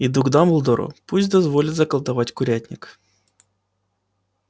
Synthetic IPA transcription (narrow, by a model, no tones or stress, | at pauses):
id̪uɡd̪amʊlˠd̪oɾʊ̰pusʲtʲd̪ɐzvolʲɪt̪zɐkəlˠt̪ɐvatʲkʊɾʲætʲnʲɪk